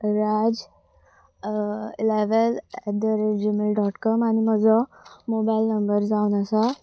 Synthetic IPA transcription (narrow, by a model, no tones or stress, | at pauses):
ɾad͡ʑ | ileʋəlɛd̪əɾeʈd͡ʑumilɖɔʈkɔmanim̤əd͡zɔmobailnəmbəɾd͡zaunəsa